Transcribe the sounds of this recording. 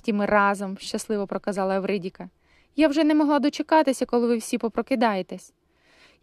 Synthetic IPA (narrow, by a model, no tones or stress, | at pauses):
tʲimɪrɑzɔmʃt͡ʃɐslˠɪʋɔpɾɔkɐzɑlˠɐwɾɪdʲikɐ | jawʒɛnɛmɔɦlˠɑd̪ɔt͡ʃekɑt̪ɪsʲɐkɔlˠɪʋɪwsʲipɔpɾɔkɪd̪ɑjet̪ɛsʲ